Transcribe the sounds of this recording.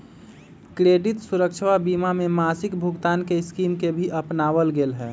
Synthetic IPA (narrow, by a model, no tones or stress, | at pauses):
kɾeːɖɪt̪suɾəkt͡ʃʰwabimamemasɪkbʱʊɡt̪aːnkeɪskiːmkebʱiʔəpnaʋəlɡeːlɦɛː